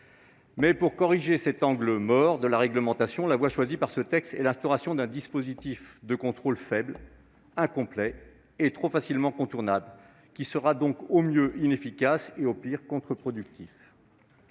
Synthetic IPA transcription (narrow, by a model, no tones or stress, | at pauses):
mɛpuʁkɔʁiʒesɛt̪ɑ̃ɡləmɔʁd̪əlaʁɛɡləmɑ̃t̪asjɔ̃lavwaʃwazipaʁsət̪ɛkst̪ɛlɛ̃st̪ɔʁasjɔ̃d̪ɛ̃d̪ispozit̪ifd̪əkɔ̃t̪χolfɛbl | ɛ̃kɔ̃plɛ | et̪χofasilmɑ̃kɔ̃t̪uʁnabl | kʲisəʁad̪ɔ̃komjøʔinefikʲaseopiʁkɔ̃t̪χəpχɔd̪yk̚t̪if